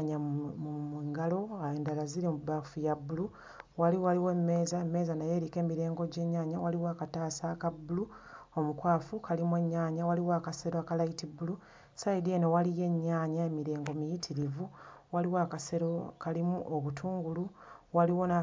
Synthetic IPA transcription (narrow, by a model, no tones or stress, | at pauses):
ɲaumiːŋɡalo̞aeːndalaziɾimubafujabulu | waliwaliwe̞ːmːe̞ːzaemːe̞ːzanaje̞ɾike̞ːmiɾe̞ːŋɡo̞ɟe̞ːɲːaːɲawaliwakataːsakabuluomukwaːfukalimwe̞ɲːaːɲawaliwaːkaseɾoakalaitibulu | saidienowalije̞ɲːaːɲae̞miɾe̞ːŋɡo̞mijitʰiɾivuwaliwakaseɾokalimuʔoβutʰuːŋɡuluwaliwo̞na